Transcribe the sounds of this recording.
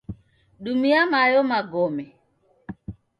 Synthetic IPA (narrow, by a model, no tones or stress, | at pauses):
ɗumiamajɔmaɡɔmɛ